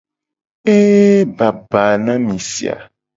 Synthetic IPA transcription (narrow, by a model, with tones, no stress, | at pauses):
e˦ba˨ba˨nã˦mĩ˨sḭ˨a̰˨